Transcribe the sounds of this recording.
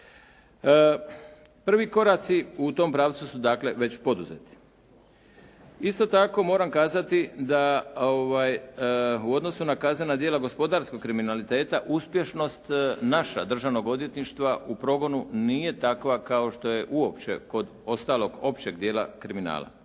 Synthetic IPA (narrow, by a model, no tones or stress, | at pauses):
pr̩ʋiko̞ɾat̪siut̪o̞mpɾaːʋt̪susud̪akle̞ʋe̞t͡ɕpo̞d̪uzet̪i̥ | ist̪o̞t̪ako̞mo̞ːɾamkaːzat̪id̪aoʋaːj | uo̞d̪no̞sunakaznenad̪jeːlaɡo̞spo̞d̪aːɾsko̞ɡ̚kːɾiminalit̪e̞ːt̪aʔuspje̞ʃno̞st̪naʃa̰d̪r̩ʒaʋno̞ɡo̞d̪ʋjet̪niʃt̪ʋaupɾo̞ɡo̞nuniːje̞t̪akʋakao̞ʃt̪o̞je̞ʔuo̞pt͡ɕe̞̰ko̞d̪o̞st̪aːlˠo̞ɡo̞pt͡ɕe̞ɡd̪je̞ːla̰kɾimina̰ːlˠa̰